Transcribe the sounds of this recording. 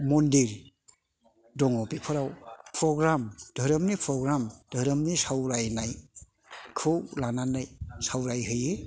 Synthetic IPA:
mɔndiɾ | dɔŋɔpipʰɯɾawpʰɾɔɡɾamd̥ʱəɾɯmnipʰɾɔɡɾamd̥ʱəɾəmnisawɾajnaj | kʰɯwlananajsawɾajɦɯjɯ

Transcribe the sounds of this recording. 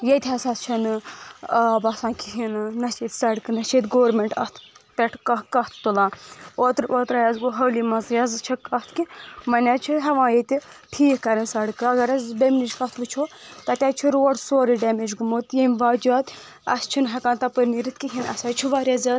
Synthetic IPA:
jet̪ʰʲɐsɐst͡ʃʰɐnɨ | bɐsãːnkʰiɦinnɐt͡ʃiːt̪ʲsɐɽɨkɨnɐt͡ʃʰiːt̪ɡoːɾmeɳʈɐst̪ʰpʲeʈʰkɐkɐht̪ʰt̪ulaːoːt̪ɾoːt̪ɾajɐzɡuɦɐwlimɐzjɐzt͡ʃʰikɐht̪kimɐnʲaːt͡ʃʰiɦɐʋãːjet̪ʲi | ʈʰiːhkɐɾɐnsɐɽkɨɐɡɐɾɐzbemnid͡ʒkɐt̪ʰʋɨt͡ʃʰoːt̪ɐt̪ʲaːt͡ʃʰiɾuoɽsoːɾiɖɛmed͡ʒɡumoːt̪jemʲʋaːd͡ʒʲaːt̪ | ɐst͡ʃʰinɦɐkãːnt̪ɐpɨɾniɾɨt̪̚ʰkiɦinɐ̰saːt͡ʃʰiʋaːɾʲaːzʲaːt̪

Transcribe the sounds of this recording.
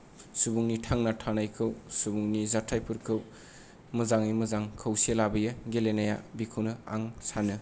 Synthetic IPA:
subuŋnitʰaŋnatʰanajkʰɯwsubuŋnizatʰajpʰɯɾkʰɯw | mɯzaŋimɯzaŋkʰɯwsielabɯjɯɡelenaja̰bikʰɯwnɯa̰ŋsanɯ

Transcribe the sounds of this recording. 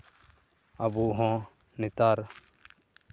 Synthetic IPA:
abuːɦõː | nɪt̪aːɾ

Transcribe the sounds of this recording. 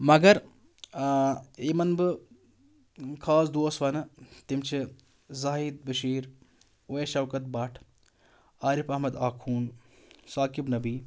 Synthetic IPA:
mɐɡɐɾ | eːmɐnbɨ | kʰaːsd̪oːsʋɐnɨt̪imt͡ʃʰi | zaːɦid̪̚bɨʃiːɾ | weʃɐwkɐt̪̚bɐʈʰ | aːɾipɐɦmɐd̪aːkʰuːnsaːkibnɐbiː

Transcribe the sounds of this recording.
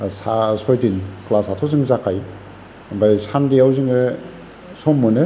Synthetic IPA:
sasɔjdinklasatʰɔzɯŋzakʰaj | bajsandiawziŋe | sɔmːɯnɯ

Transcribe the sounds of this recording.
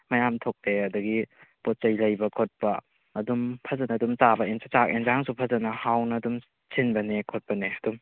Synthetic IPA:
mɐjamtʰok̚deɐdɐɡipot̚t͡ʃɐjlɐjbɐkʰot̚pɐː | dumpʰɐzɐnɐːdumt͡ʃabɐensat͡ʃakenzaŋsupʰɐzɐnɐhawnɐːdum | sʰinbɐnekʰot̚pɐneɐdum

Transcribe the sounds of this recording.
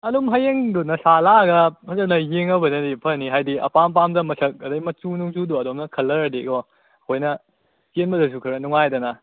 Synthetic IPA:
ɐdumɦɐjeŋdunɐsalaɡɐɐzɐnɐjeŋɐbɐnɐdipʰɐniɦajdiɐ̰pampamdɐmɐsɐk̚ɐdɐjmɐt͡ʃunuŋt͡ʃuduɐdomnɐkʰɐlːɐɾɐdiɡɔ | ɐkʰojnɐ | kenbɐdɐs̬ukʰɐɾɐnuŋajdɐnɐ

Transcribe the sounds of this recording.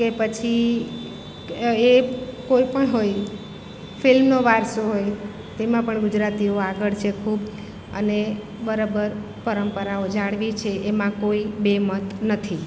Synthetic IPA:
kepət͡ʃʰi | ekoipəɳɦoj | fʰilmnoʋaɾsoɦoj | t̪emãpəɳɡʊd͡ʒɾat̪ioaɡəɭt͡ʃʰekʰub | ə̰ne | bəɾobəɾ | pəɾəmpəɾaod͡ʒaɽʋit͡ʃʰeʔːmãkoibemət̪nət̪ʰi

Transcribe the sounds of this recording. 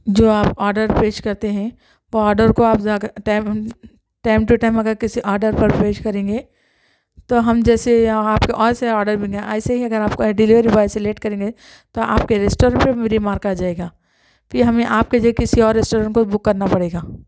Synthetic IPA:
d͡ʒoːaːpɔːɾɖəɾpeːʃkɐɾt̪eɦɛ̃ | ʋoɔːɾɖəɾkoaːpaɡʈaːɪm | ʈaːɪmʈuʈaːɪ̃mɐɡəɾkɪsiʔɔːɾɖəɾpɐɾpeːʃkɐɾẽːŋɡeː | t̪oɦɐmd͡ʒɛːseaːpkeʔɔːɾseɔːɾɖəɾbʱɪ̃ɦɛ̃ʔaːseɦiɐɡəɾaːp̚koɖɪliʋɾibaːjsɪleːʈ̚kɐɾẽːŋɡe | t̪oa̰ːp̚keɾɛːsʈɔːɾə̃ɳʈpemeɾimaːɾkad͡ʒaːeːɡaː | pʰɪɾɦɐmẽʔaːp̚ked͡ʒiekɪsiɔːɾːɛːsʈoːɾə̃ɳʈkobʊkːɐɾnapɐɽeːɡaː

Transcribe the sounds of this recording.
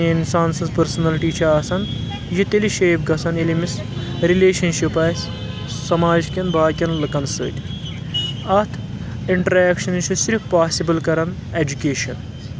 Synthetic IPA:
insaːnsɐnspɐɾsɐnɐlʈiːt͡ʃʰiaːsɐn | jit̪eliʃeːpɡɐsʰɐnelʲimis | ɾileːʃɐnʃipɐːsʲ | sɐmaːd͡ʒkʲɐnbaːkʲɐnlɨkɐnsɨ̰ːt̪ʲ | ɐt̪ʰ | iɳʈɐɾeːkʃɐnt͡ʃʰisiɾfpaːsibɐlkɐɾɐn | ed͡ʒukʲeːʃɐn

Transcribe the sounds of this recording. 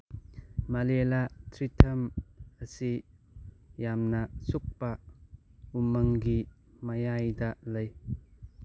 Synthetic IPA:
malɛlat̪ʰɾit̪ʰɐməsi | jamnasuk̚pa | umɐŋɡi | majajd̪aʔlɐj

